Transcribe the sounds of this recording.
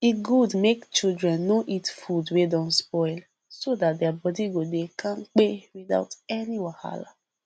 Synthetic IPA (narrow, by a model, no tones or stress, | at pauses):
iɡudmekt͡ʃildɹɛ̃nːoʔitfudwedɔ̃nspɔɪl | sodat̚deabɔdiɡodekʰãŋ̩k͡pewida̰ʊtɛniwaha̰la̰